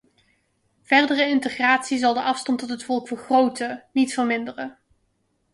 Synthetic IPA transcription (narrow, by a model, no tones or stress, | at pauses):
v̥ɛɹdərəɪntəχraːtsizɑlˠdəʔɑfstɑntɔtɦətfɔlˠkfəɹχrowtənitfəɹmɪndərə